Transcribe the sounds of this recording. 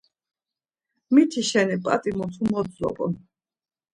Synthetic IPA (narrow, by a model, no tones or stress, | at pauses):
mit̪ʰiʃɛnipʼa̰t̪ʼimɔt̪ʰumɔd̪zɔ̰pʼɔ̰